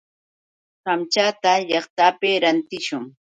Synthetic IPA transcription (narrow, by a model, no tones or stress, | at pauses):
ɢamt͡ʃaːt̪aʎɑχt̪apeɾant̪ɪʃʊŋ